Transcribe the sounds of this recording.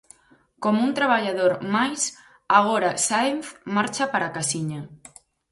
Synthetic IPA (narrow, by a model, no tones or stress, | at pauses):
komunt̪ɾaβaʎað̞oɾmajs | aɣ̞oɾasaenθmaɾt͡ʃapaɾakasiɲa